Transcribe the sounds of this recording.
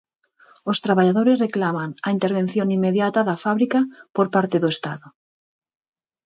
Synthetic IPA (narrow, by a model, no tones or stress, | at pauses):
ost̪ɾaβaʎaðoɾezreklamaŋaint̪eɾβ̞en̟θjoŋimːeðjat̪aðafaβɾikapoɾpaɾt̪eðoest̪aðo